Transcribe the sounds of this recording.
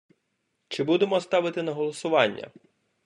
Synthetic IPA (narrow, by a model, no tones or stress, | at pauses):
t͡ʃɪbud̪emɔst̪ɑʋɪt̪ɪnɐɦɔlˠɔsʊʋɑnʲːɐ̰